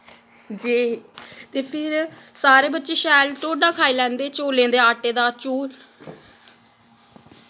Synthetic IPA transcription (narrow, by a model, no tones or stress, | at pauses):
d͡ʒiːt̪eːpʰɪɾsaːɾeːbətːt͡ʃeːʃɛːlʈ̪oːɖaːkʰaːiːlɛ̃ːnd̪eːt͡ʃoːlẽːnd̪eːaːʈeːd̪aːt͡ʃuːl